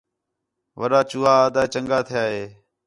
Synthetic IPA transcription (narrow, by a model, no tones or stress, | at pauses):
ʋəɾaːt͡ʃuːaːaːd̪aːt͡ʃəŋɡaːt̪ʰɪjaːɦeː